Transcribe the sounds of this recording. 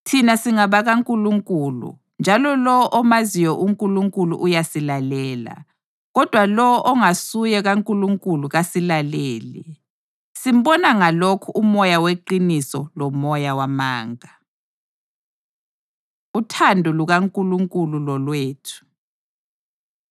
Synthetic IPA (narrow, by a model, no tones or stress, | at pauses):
tʰinasiŋaβaɣaŋkʼuluŋkʼuːlṵ | nd͡ʒʱalɔlɔwɔʔɔmazijɔʔuŋkʼuluŋkʼulṵʔujasilalɛːla̰ | ɣɔd̥ʱwalɔwɔʔɔŋasujɛɣaŋkʼuluŋkʼuluɣasilaleːlḭ | sim̩bɔnaŋalokʰuumɔjaweǃinisɔlɔmɔjawamaːŋa | utʰandʱuluɣaŋkʼuluŋkʼululɔlweːtʰu̥